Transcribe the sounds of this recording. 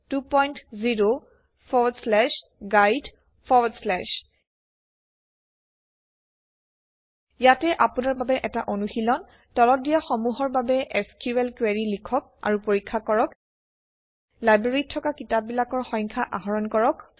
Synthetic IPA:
tupɔjntziɹo | pʰɔslɛʃɡajd | pʰɔɹslɛʃ | jatɛʔapunaɹbabɛʔɛtaʔonuxilɔn | tɔlɔt̚dijaxɔmuɦɔɹbabɛʔɛskuɛlkwɛɹilikʰɔk̚ | a̰ɹupoɹikʰːakɔɹɔk | lajbɹeɹitʰːɔkakitap̚bilakɔɹxɔjŋkʰaʔaɦɔɹɔnkɔɹɔk

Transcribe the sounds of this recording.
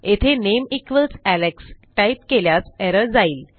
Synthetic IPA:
et̪ʰenemikʋət͡sæleksʈajpkeljasɛɾəd͡zaiːl

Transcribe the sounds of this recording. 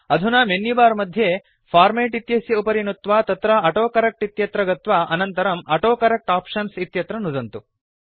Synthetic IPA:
ɐd̪ʱunaːmenːibaːɾmɐd̪ʱje | pʰaːɾmeːʈit̪jɐsjɐupɐɾinut̪ʋaːt̪ɐt̪ɾɐɐʈoːkɐɾɐk̚ʈit̪jɐt̪ɾɐɡɐt̪ʋaːʔɐnɐnt̪ɐɾɐmɐʈoːkɐɾɐk̚ʈaːpʂɐnsit̪jɐt̪ɾɐnud̪ɐnt̪u

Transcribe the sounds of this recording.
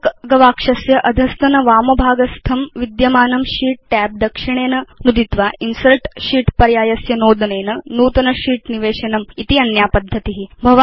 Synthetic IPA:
kɡɐʋaːkʂɐsjɐʔɐd̪ʱɐst̪ʰɐnɐʋaːmɐbʱaːɡɐst̪ʰɐmʋid̪jɐmaːnɐmʃiːʈ̚ʈæːp̚d̪ɐkʂiɳ̃eːnɐnud̪ʱit̪ʋaːʔinsɐlʈʃiːʈpɐɾjaːjɐsjɐnoːd̪ɐneːnɐnuːt̪ɐnɐʃiːʈniʋeːʂɐnɐmit̪iɐnjaːpɐd̪ʱːɐt̪iɦibʱɐʋ

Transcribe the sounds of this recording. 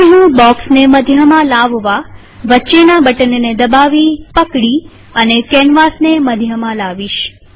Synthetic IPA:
ɦũbɔksneməd̪ʱjəmãlaʋʋa | ʋətːʃenabəʈənned̪əbaʋipəkɽi | ənekɛnʋasneməd̪ʱjəmãlaʋiʃ

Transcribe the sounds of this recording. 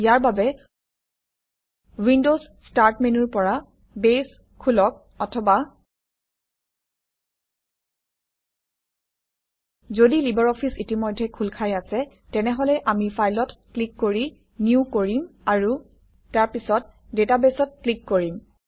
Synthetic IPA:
ijaɹbabɛ | windozstaɹtmɛnuɹpɔɹa | bes | kʰulɔk̚ | ɔtʰɔba | zodilibɔɹɔpʰisitimɔjdʱːɛkʰulkʰajasɛ | tɛnɛɦɔlɛʔamipʰajlɔtklikːoɹi | niukoɹimaɹu | taɹpisɔt̚ | detabesɔt̚klikːoɹim

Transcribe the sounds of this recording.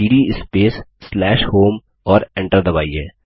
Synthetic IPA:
iːɖiɪspeːsːlɛːʃhoːm | ɔːɾẽɳʈəɾd̪ɐba̰ːiɦɛː

